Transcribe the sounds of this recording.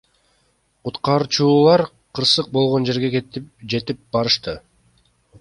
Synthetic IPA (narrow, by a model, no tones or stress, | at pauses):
qut̪qɑɾt͡ʃuːlˠɑɾ | qʰɯɾsɯq̚bo̞lˠʁond͡ʒe̞ɾɡe̞ked͡ʒe̞t̪ip̚bɑɾɯʃt̪ɯ